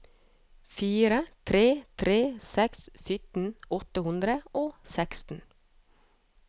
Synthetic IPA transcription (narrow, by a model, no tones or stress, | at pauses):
fiːɾət̪ʰɾeːt̪ʰɾeːsɛkssʏt̪n̩ɔt̪əhʉnd̪ɾəoːsɛkst̪n̩